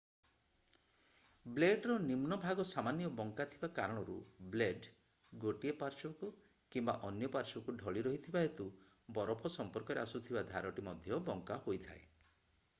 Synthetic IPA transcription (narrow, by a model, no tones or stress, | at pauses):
bleɖɾɔnimnɔbʱaɡɔsamanjɔbɔŋkat̪ʰibakaɾɔɽ̃ɔɾṵbleɖ | ɡoʈiepaɾt͡ʃɔku | kimba̰ʔɔnjɔpaɾt͡ʃɔɔkuɖʱɔɭiɾɔɦit̪ʰibaɦet̪u | bɔɾɔpʰɔsɔmpɔɾkɔɾeasut̪ʰibad̪ʱaɾɔʈimɔd̪ʱjɔbɔŋkahojt̪ʰa̰e